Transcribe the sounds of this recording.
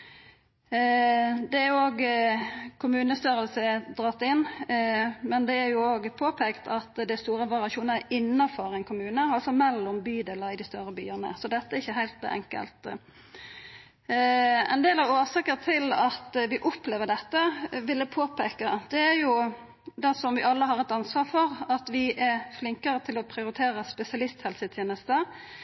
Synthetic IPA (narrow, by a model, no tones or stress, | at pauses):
d̪ɛæɾjʊoːɡ | kʰʊmʉːnəst̪œɾəlsəd̪ɾɑt̪ːɪnː | mɛnd̪ɛæɾjʊoːɡpʰoːpʰekt̪ɑt̪d̪æɪst̪uːɾəʋɑɾɪɑʃuːnəɪnːɑfɔɾɛnkʰʊmʉːnəɑlsɔmɛlːɔmbyːd̪eːləɪd̪ɪst̪œɾəby̰ːəʁnə̰sɔd̪ɛt̪ːəɛɾɪçːəɦæɪlt̪ɛ̰ŋkə̰lt̪ | ɛ̰nd̪eːlɑɾoːsɑkəʁt̪ʰɪlɑt̪ʋɪʔɔpleːʋəɖ̪ɛt̪ːəʋɪlːəpʰoːpʰeːkəd̪̥ɛæɾjʊ | d̪ɛsɔmʋɪʔɑlːəɦɑɾɛt̪ɑnsʋɑːɾfɔɾɑt̪ʋɪʔæɾflɪŋkəɾət̪ʰɪlɔpʰɾɪʊɾɪt̪ʰeːɾəspɛsɪɑlɪst̪hɛlsət̪ʰjeːnəst̪ə